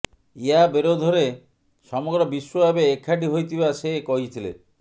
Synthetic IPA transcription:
iabeɾod̪ʱɔɾe | sɔmoɡɾɔbiʃːobabeːkʰːaʈiɦojt̪ʰibasekɔɦit̪ʰilḛ

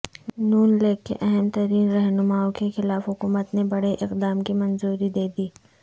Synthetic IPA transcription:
nuːnleːɡ̚kːḛʔɛɦɛmt̪ɐɾiːnɾɐɦnʊmaːõkexɪlaːfɦʊkuːmət̪nebɐɽeʔɪqd̪aːmkimɐnzuːɾid̪eːd̪iː

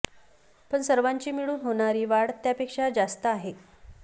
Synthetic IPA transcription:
pəɳsəɾʋaɲt͡ɕiːmiɭuːnɦoɳ̃aɾiːʋaɽt̪japekʂad͡zast̪əaɦe

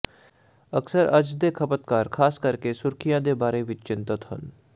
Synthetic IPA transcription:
əksəɾɐd͡ʒd̪ekʰɐpət̪kaːɾkʰaːskɐɾkesʊɾkʰijãd̪ebaːɾeʋɪt͡ʃt͡ʃɪ̃nt̪ət̪ɦə̰n

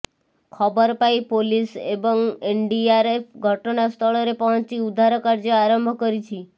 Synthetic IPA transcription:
kʰɔbəɾpajpolisebɔŋeɳɖiaɾepʰɡʱəʈnast̪ʰɔɭɔɾepɔ̃ɦt͡ʃiud̪ʱaɾɔkaɾd͡ʒəaɾəmbʱkəɾit͡ʃʰi

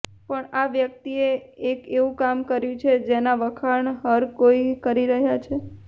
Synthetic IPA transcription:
pəɳaʋjək̚t̪ieekeʋũkamkəɾjũt͡ʃʰed͡ʒenaʋəkʰaɳɦəɾkoikəɾiɾəɦjat͡ʃʰe

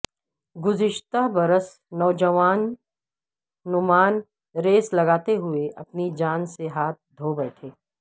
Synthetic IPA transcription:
ɡʊzɪʃt̪abɐɾəs | nɔːd͡ʒəʋaːn | ʊmaːn | ɾeːslɐɡaːt̪eɦʊeʔɐpnid͡ʒaːnseɦaːt̪̚ʰd̪ʱoːbɛːʈʰeː

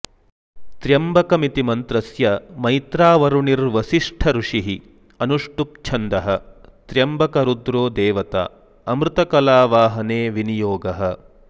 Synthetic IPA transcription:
t̪ɾjɐmbɐkɐmit̪imɐnt̪ɾɐsjɐmɐjt̪ɾaːʋɐɾuɳiɾʋɐsiʂʈʰɐɾuʂiɦi | ɐnuʂʈup̚t͡ʃʰɐnd̪ɐɦɐt̪ɾjɐmbɐkɐɾud̪ɾoːd̪eːʋɐt̪a̰ː | ɐmɾut̪ɐkɐlaːʋaːɦɐneːʋinijoːɡɐɦɐ̆

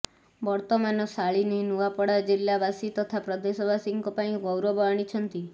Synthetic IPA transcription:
bɔɾt̪ɔmanɔsaɭininuʋapɔɽad͡ʒilːabasit̪ɔt̪ʰapɾɔd̪esɔbasiŋkɔpaĩɡɔwɾɔbɔaɽ̃it͡ʃʰənt̪i

